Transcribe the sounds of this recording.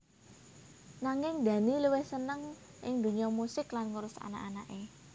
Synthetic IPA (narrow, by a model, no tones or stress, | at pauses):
naŋɪŋd̪̥ä̤niluwɪhsənəŋ | ʔɪ̰ŋd̪ṳɲɔmusɪklanŋuɾʊsa̰na̰ʔanaʔe